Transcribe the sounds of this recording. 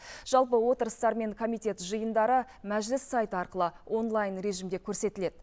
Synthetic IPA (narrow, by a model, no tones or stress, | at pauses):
ʒ̥ɑlˠpəwo̞t̪əɾəst̪ɑɾme̞ŋkʰo̞mijt̪ʲe̞t̪ʒəjənd̪ɑɾə | mæʒlɪsːajt̪əɑɾqəlˠəʔo̞nlˠajnɾe̞ʒimd̪ʲe̞kʲʰɵɾse̞t̪ɪle̞d̪̥